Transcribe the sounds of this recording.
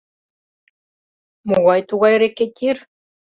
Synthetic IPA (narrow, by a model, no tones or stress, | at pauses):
muɣɑjt̪uɣɑjɾeket̪ʲiɾ